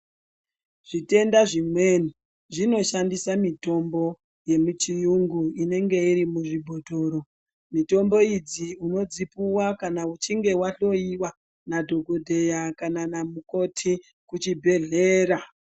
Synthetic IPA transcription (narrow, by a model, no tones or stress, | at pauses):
ʐ̥ite̞ndaʐimwe̞ni | ʐino̞ʃandisamito̞mbo̞ | je̞mut͡ʃijuŋɡuine̞ŋɡe̞iɾimuʐibʱo̞dʱo̞ːɾo̞ | mito̞mbo̞id͡ziuno̞d͡zipuwakanaut͡ʃiŋɡe̞waɬo̞iwa | nadʱo̞ɡodʱe̞jakananamuko̞tʰi | kut͡ʃibʱe̞ɮe̞ːɾa